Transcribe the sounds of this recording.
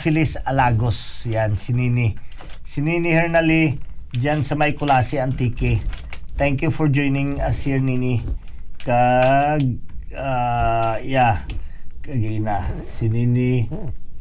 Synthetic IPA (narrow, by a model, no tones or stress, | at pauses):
filisɐlaːɡosjansɪniːnɪsɪniːnihɛɹnalid͡ʒansɐmɐjkʊlaːsɪɐnt̪iːkɪt̪ɛŋkjufɔɹd͡ʒojnɪŋɐsiɛɹninikaɡa | ja | kɐɡinasɪniːni